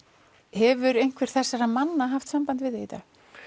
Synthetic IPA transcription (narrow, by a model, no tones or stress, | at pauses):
hɛvʏɾejn̥kʰvɛɾ̥θɛsːaɾamanːaɦaft̪sampant̪vɪðɪit̪a̰ː